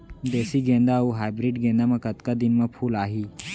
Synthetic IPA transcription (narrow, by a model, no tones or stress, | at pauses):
d̪esiːɡẽnd̪auɦajbɾiːɖɡẽnd̪aməɡət̪kad̪inməpʰuːlaɦiː